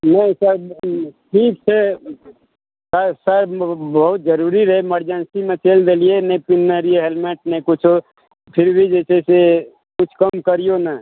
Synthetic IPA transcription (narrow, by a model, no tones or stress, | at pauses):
nɐĩsəɾʈʰiːk̚sʰe | səsəɾbɐɦʊt̪̚d͡ʒəɾuːɾiɾɐɦeməɾd͡ʒənsimẽt͡ʃeːld̪elienẽpɪnːəɾieɦelmeːʈ̚nẽkʊt͡ʃʰo | pʰɪɾbʱid͡ʒeːsese | kʊt͡ʃʰkɐmkəɾijona